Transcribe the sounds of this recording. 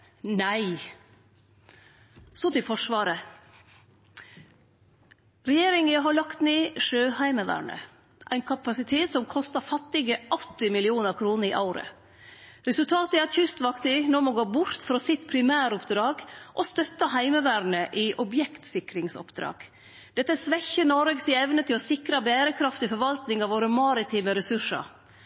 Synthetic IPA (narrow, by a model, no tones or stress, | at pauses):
næɪ | sɔt̪ɪlfɔʂʋɑːɾə | ɾɛjeːɾɪŋəɦɑɭɑkt̪neːʂøːhæɪməʋæ̰ːɳə̰ | ʔæɪnkʰɑpɑsɪt̪ʰeːt̪sɔmkʰɔst̪ɑfɑt̪ːɪɡəʔɔt̪ːɪmɪlɪuːnəɾkʰɾuːnəɾɪʔɑ̰ʊɾə̰ | ɾɛsʉlt̪ʰɑːt̪æɑt̪çʏst̪ʋɑkt̪ɪnɔmoːɡoːbʊɾt̪fɾoːsɪt̪pʰɾɪmæːɾɔpd̪ɾɑːɡʔɔst̪œt̪ːɑɦæɪməʋæːɾɳəʔɪʔɔbjɛkt̪sɪkɾɪŋsɔ̰pd̪ɾɑ̰ːɡ̥ | d̪̥ɛt̪ːəsʋɛçːənɔɾəɡsɪɛʋnət̪ʰɪlɔsɪkɾɑbæːɾəkʰɾɑft̪ɪfɔɾʋɑlt̪nɪŋɑʋoːɾəmɑɾɪt̪ʰiːməɾɛsʉʂə̰ɾ